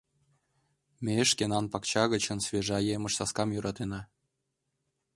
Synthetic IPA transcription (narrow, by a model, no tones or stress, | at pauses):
mʲeɘʃkenɑnpɑkt͡ɕɑɣə̆t͡ɕɤ̆nsvʲeʒɑjemə̆ʃsɑskɑmjuɾʔɑt̪enɑ